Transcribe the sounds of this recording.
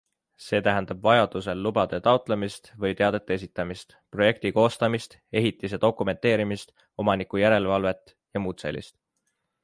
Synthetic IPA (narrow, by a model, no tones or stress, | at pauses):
se̞ːt̪æɦænd̪̥ɑb̥vɑjɑd̪̥use̞lːubɑd̪̥e̞t̪ɑwt̪ˑle̞mist̪vɤjt̪e̞ɑd̪̥e̞t̪ːˑee̞sit̪ːˑɑmist̪pro̞je̞k̚t̪iko̞ːst̪ɑmist̪ | e̞ɦit̪ːis̬e̞d̪̥o̞kːˑume̞nt̪ːˑe̞ːɾimist̪ | o̞mɑnikujæɾe̞lvɑlve̞t̪ːˑ | jɑmuːt̪se̞lʲḭst̪